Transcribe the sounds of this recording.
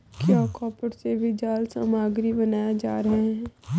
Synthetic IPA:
kaːkɔːpəɽsebʱid͡ʒaːlsaːmaːɡɾibɐnaːjed͡ʒa̰ːɾɐɦeɛ̃

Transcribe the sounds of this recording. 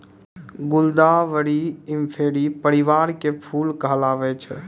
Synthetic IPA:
ɡʊld̪aʋəɽiɪmpʰeːɽipəɾiʋaːɾkepʰuːlkəɦəlaːʋɛt͡ʃʰɛ

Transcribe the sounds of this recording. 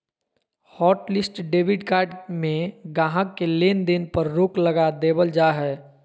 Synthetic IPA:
hɔːʈlɪsʈɖeːbɪɖkaːɾɖmẽɡaːɦə̃kːeleːnd̪enpəɾːoːkləɡad̪eːbəld͡ʒaɦɛː

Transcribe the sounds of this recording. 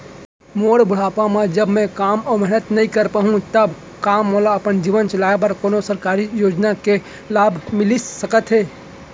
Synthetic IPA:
moːɽbʊɽ̤aːpãmãd͡ʒəbmɛ̃kaːmɔːmɛɦnət̪nɐɦĩkəɾpaːɦũt̪əb | kaːmːoːlaɐpənd͡ʒiːʋənt͡ʃɐlaːep̬əɾkoːnosəɾkaːɾijoːd͡ʒnake | laːbʱmɪlisəkət̪ɦeː

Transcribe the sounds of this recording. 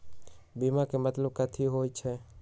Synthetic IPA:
bimãkemət̪ləb̚kət̪ʰiɦojt͡ʃʰe

